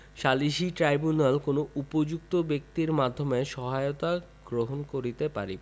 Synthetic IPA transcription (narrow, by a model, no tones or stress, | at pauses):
ʃaliʃiʈɾajbunalkonoupod͡ʑuk̚t̪obek̚t̪iɾmad̪ʱːomeʃɔɦaeot̪a | ɡ̥ɾoɦonkoɾit̪epa̰ɾi